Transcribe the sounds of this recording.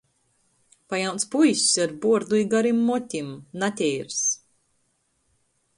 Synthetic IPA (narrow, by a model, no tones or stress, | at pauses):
pajawnt̪spujsʲsaɾbuɔɾd̪ujɡaɾimːɔt̪ʲimnat̪ʲɛjɾs